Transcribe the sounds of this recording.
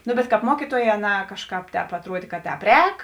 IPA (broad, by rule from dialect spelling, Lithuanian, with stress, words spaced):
ˈnʊ bʲɛt kɑːp ˈmuɔkʲiːtuɔˌjɛː ɐˈnɑː ˈkɑːʃˌkɑːp ˈtʲɛːp ɐtˈruɔdʲeː kɐ ˈtʲɛːp ˈrʲɛːk